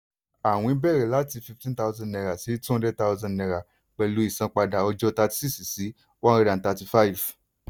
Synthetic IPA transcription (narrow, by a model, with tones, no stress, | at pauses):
a˨w̃ɔ̃˧i˦bɛ˦˨ɾɛ˨la˨˦ti˧fi˧ftĩ˦n˦ta˧˦ʊ˧zã˧˨nɛ˧ɾa˨si˨˦tũ˦ɔ̃˦dɛ˦ta˦ʊ˧zã˧˨ɛ̃˧ɾa˨ | k͡pɛ˧lu˨˦i˦˨sã˧k͡pa˧da˨ɔ˧d͡ʒɔ˦ta˧ti̥˧si˦si˨si˨˦ | wa˦ɾi˧ɾã˨n˨ta˧ti˧fa˦i˨v